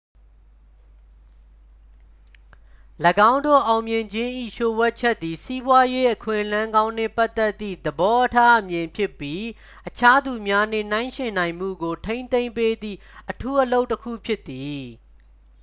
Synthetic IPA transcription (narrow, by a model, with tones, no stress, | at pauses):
ləɡã˦ʊ̃ndo̰˦˨ʔã˨ʊ̃mjɪ̃˨ɲd͡ʑɪ̃˦ʔḭ˦˨ʃo˨wɛ˦ʔt͡ɕʰɛ˦t̪ːi˨si˦bwa˦je˦ʔəkʰwɪ̰̃˦˨ʔəlã˦ŋɡã˦ʊ̃nɛ̰˦˨pa˦t̪ːɛ˦t̪ːḭ˦˨d̪əbɔ˦ʔətʰa˦ʔəmjɪ̃˨mpʰjɪ˦pːji˦ | ʔət͡ɕʰa˦d̪u˨mja˦nɪ̰̃˦˨n̥ã˦ɪ̃ʃɪ̃˨nã˨ɪ̃m̥ṵ˦˨ɡo˨tʰẽ˦ɪ̃nt̪ẽ˦ɪ̃mpe˦d̪ðḭ˦˨ | ʔətʰu˦ʔəlo˦ʊtːəkʰṵ˦˨pʰjɪ˦t̪ːi˨